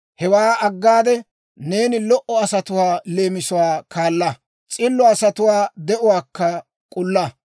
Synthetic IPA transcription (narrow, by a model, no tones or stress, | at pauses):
hɛwaːɐɡːaːd̪ɛ | ne̞ːnɪlɔʔɔɐsɐt̪ʊwaːle̞ːmɪsʊwaːkʰaːlːɐ | t͡sʼɪlːɔɐsɐt̪ʊwaːd̪ɛʔʊwaːkːɐ | kʼʊlːɐ